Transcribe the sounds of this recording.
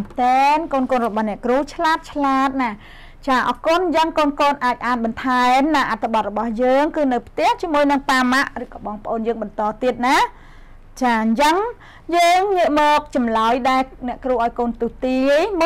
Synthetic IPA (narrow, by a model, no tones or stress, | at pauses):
t̪enkoːnkoːnrɔɓɑhnɛ̆əʔkruːt͡ɕʰlaːt̪̚t͡ɕʰlaːt̪̚na | t͡ɕaːʔɑːkʊnt͡ɕəŋkoːnkoːnʔaːc̚ʔaːnɓɑnt̪ʰaɛmnaːʔat̪ʰːaɓɑt̪̚rɔɓɑhjəːŋkɨːnɨwpʰt̪ɛ̆əht͡ɕiəmuəjnɨŋpaːmaʔrɨːkɑːɓɑːŋpə̆ʔoːnjəːŋɓɑnt̪ɑːt̪iət̪̚naː | t͡ɕaːɲt͡ɕəŋ | jəːŋŋiəʔmɔːk̚t͡ɕɑmlaɔjɗaɛlnɛ̆əʔkruːhʔaɔjkoːnt̪uːt̪iəjm